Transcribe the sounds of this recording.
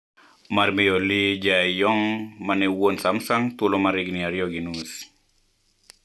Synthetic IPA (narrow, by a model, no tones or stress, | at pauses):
marmijolid͡ʒajɔŋmanɛwonsamsaŋt̪ulɔmaɾiɡniaɾjɔɡinus